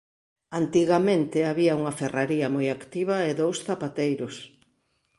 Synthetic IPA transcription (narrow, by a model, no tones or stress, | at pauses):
ant̪iɣamẽnt̪ɪaβiɐuŋɐferaɾiɐmojakt̪iβ̞ɐɪðowsθapat̪ejɾʊs